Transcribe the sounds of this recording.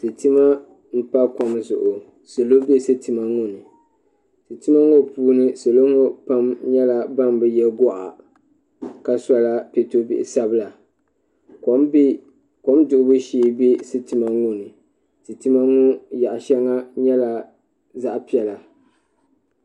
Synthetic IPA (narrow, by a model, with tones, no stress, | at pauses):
tɨ˨tɨ˦ma˦ | m̩˦pa˦ka˨mzʊ̰˨ʔʊ˨ | sɨ˨lo˦be˦sɨ˦tɨ˨ma˦ŋʊ˦nɨ˨ | tɨ˨tɨ˦ma˦ŋo˦˨puː˦nɨ˦sɨ˨lo˦ŋʊ˦pa˦mɲɛ˦la˨ba˦mbɨ˦jɛ˦ɡɔ˦ʔa̰˨ | ka˨sa˦la˦pe˨to˦bḭ˨ʔɪ˨sa˦bɨ˦la˨ | k | ko˦mdʊ˨ʔʊ˦bɨ˦ʃiː˦be˦sɨ˦tɨ˨ma˦ŋʊ˦nɨ˨ | tɨ˨tɨ˦ma˦ŋʊ˦ja˨ʔʃɛ˦ŋa˦ɲɛ˦la˨ | za˦ʔpi˦ɛ˨la˨